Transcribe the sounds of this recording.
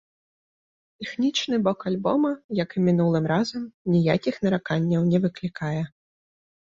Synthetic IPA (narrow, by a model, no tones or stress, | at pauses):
t̪ɛxnʲit͡ʂnɨbɔkalʲbɔmɐjɐkɨmʲinulˠɨmɾazɐmnʲijakʲixnɐɾakanʲːɐwnʲɛvɨklʲikajɛ